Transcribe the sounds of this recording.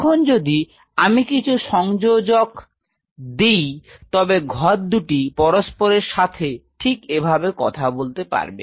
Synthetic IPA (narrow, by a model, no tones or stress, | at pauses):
kʰond͡ʑod̪i | amikit͡ɕʰuʃɔŋd͡ʑod͡ʑok | d̪ejt̪ɔbeɡʱɔɾ̚d̪uʈipɔɾospoɾeɾʃat̪ʰeʈʰikebʱabekɔ̰t̪ʰabolt̪epa̰ɾbḛ